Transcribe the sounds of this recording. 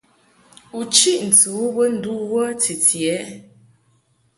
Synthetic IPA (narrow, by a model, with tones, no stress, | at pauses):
u˨t͡ʃi˦˨ʔn̩˨tu˨˦bə˦n̩˨du˦wə˦ti˨tjɛ˨˦